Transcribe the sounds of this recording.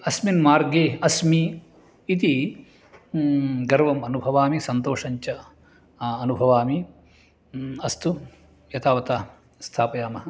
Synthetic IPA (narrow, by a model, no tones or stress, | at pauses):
ɐsminmaːɾɡeːɐsmiː | t̪i | ɡɐɾʋɐmɐnubʱɐʋaːmisɐnt̪oːʂɐɲt͡ʃɐ | ɐnubʱɐʋaːmi | ɐst̪u | jɐt̪aːʋɐt̪aː | st̪ʰaːpɐjaːmɐɦɐ